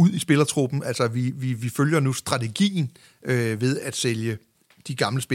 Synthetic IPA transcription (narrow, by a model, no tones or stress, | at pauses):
uð̰ˠisb̥e̝lɐt͡sʰʁub̥n̩ʔælsɐʋiʋiʋiføljɐnusd̥ʁɑ̈t͡sʰeɡ̥ḭːn̩ | øʋe̝ð̞ˠæd̥seljə | d̥iɡ̥ɑ̈mləsb̥e